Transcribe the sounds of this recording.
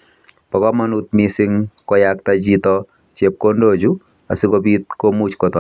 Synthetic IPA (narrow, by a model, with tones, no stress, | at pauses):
pɔ˨kɔ˦ma˦nu˦t̪̚misɪ˦ŋkɔ˦jak̚tat͡ʃitɔ | t͡ʃe˨p̚kondod͡ʒu˦ | a̰˨si˦kopi˦t̪̚komu˦t͡ʃko˨tɔ˨